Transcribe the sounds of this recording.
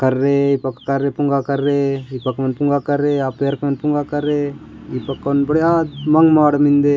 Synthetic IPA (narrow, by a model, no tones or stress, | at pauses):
kɐɾːeipɐkːkɐɾːepuŋɡakɐɾːeipɐkːmɐnpuŋɡakɐɾːeapːejɐɾkmɐnpuŋɡakɐɾːeipɐkːɐnbɐɽjad̪mɐŋɡmaːɽɐmind̪e